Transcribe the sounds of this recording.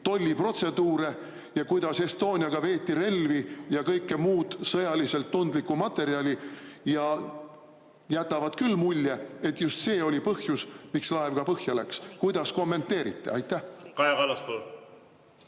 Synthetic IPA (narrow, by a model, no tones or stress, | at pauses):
t̪o̞lʲːipro̞t̪se̞d̪uːɾe̞ | jɑkujd̪̥ɑse̞st̪o̞ːnʲiɑɡ̥ɑve̞ːt̪ːˑiɾe̞lvijɑkɤjkːe̞muːd̪̥sɤjɑlise̞lt̪ːund̪likːˑumɑt̪ːˑe̞ɾiɑlʲijɑ | jæt̪ːˑɑvɑd̪kylːmulʲːee̞t̪ːjust̪se̞ːo̞lʲipɤhjusmikslɑevɡ̥ɑpɤhjɑlækskujd̪̥ɑsko̞mːe̞nt̪ːˑe̞ːɾit̪ːˑe̞̰ɑjt̪ˑːæhkɑjɑvɑlːɑspol